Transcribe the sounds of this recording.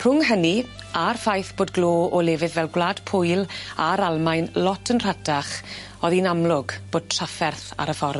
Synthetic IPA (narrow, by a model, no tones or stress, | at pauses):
pʰrʊŋɦəni | arfajθb̥oːdɡloːɔlɛːvɨðvɛlˠɡwlad̥pʰʊjlˠaɾalˠmajnlɔtʰənr̥adaχ | ɔðinamlʊɡb̥oːd̚tʰrafɛrθa̰ɾəfɔr